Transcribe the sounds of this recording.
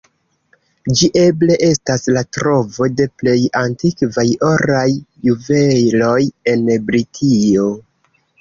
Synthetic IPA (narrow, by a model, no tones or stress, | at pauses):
d͡ʒiʔe̞ble̞ʔe̞staslatɾo̞vo̞de̞ple̞jantikvajo̞ɾajːuve̞lo̞je̞nbɾitʰio̞